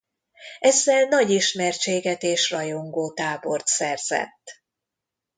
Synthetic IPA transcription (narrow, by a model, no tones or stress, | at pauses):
ɛzːɛlnɒɟiʃmɛrt͡ʃeːɡɛt̪eːʃrɒjoŋɡoːt̪aːbo̞rt̪sɛrz̥ɛ̰t̪ː